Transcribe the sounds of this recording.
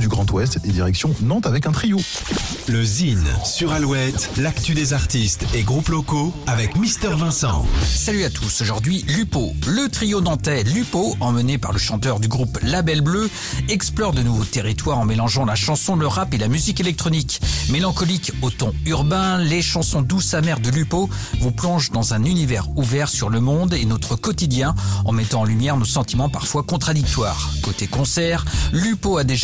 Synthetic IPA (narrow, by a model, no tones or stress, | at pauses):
d̪yɡʁɑ̃t̪wɛst̪et̪ed̪iʁɛksjɔ̃nɑ̃t̪avɛkɛ̃t̪χijo | ləzinsyʁalwɛt̪lakt̪yd̪ezaʁt̪ist̪eɡʁuplɔkoavɛkmist̪ɛʁvɛ̃sɑ̰̃salyat̪ʰusoʒuʁd̪ɥilypolət̪χijonɑ̃t̪ɛlypoɑ̃mənepa̰ʁləʃɑ̃t̪œʁd̪yɡʁuplabɛlblø | ɛksplɔʁd̪ənuvot̪eʁit̪waʁɑ̃melɑ̃ʒɑ̃laʃɑ̃sɔ̃ləʁapelamyzikelɛk̚t̪χɔnikmelɑ̃kɔlikot̪ɔ̃yʁbɛ̃leʃɑ̃sɔ̃d̪usamɛʁd̪əlypo | vuplɔ̃ʒd̪ɑ̃zɛ̃nynivɛʁuvɛʁsyʁləmɔ̃d̪enɔt̪χəkɔt̪id̪jɛ̃ɑ̰̃mɛt̪ɑ̃ɑ̃lymjɛʁnosɑ̃t̪imɑ̃paʁfwakɔ̃t̪χad̪ik̚t̪waːʁkot̪ekɔ̃sɛʁlypoad̪eʒ